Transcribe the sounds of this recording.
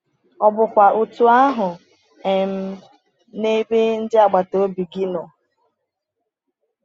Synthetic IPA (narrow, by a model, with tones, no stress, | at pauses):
ɔ˨bʊ˨kʷa˨ʔu˨tu˨a˦ɦʊ˨ | ɛ˨m̩˦ | ne˦be˦n̩˦dɪ˦a˦˨ɡ͡ba˨to˨˦bi˨ɡi˦nɔ˨